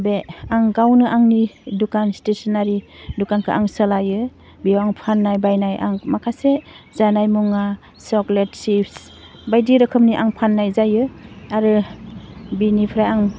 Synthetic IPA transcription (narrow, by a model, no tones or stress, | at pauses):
beaŋɡawnɯʔaŋnidukanstesɔnaɾidukankʰɯʔaŋsəlajɯ | bijawaŋpʰanːajbajnajʔa̰ŋmakʰasezanajmuŋa | sɔkletsips | bajdiɾɯkʰɯmniʔaŋpʰanːajzajɯaɾɯ | binipʰɾajaŋ